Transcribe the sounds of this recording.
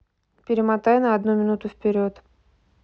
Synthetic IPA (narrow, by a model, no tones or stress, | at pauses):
pʲɪɾʲɪmat̪ajʊnəɐd̪numʲɪnut̪ʊfpʲɪɾʲot̪